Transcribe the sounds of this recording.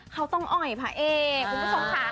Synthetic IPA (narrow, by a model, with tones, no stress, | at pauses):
kʰa˦˥wt̪ɔ˥˩ŋʔɔ˨˩jpʰaː˧ʔeː˧u˧˩bu˦˥sʰa˧˩msaː˨˦